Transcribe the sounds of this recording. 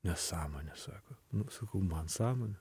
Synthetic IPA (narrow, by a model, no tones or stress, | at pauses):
nʲɛssɑːmoːnʲɛsɑːkonʊsɐkɐʊmɐnsɑːmoːnʲɛ